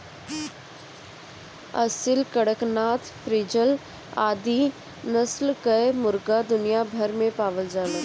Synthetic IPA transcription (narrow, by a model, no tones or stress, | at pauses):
ɐsɪlkəɽəknaːt̪ʰpɾɪd͡ʒəl | aːd̪i | nəslkəemʊɾɡad̪ʊnijabʱɐɾmẽpaːʋəld͡ʒaːlə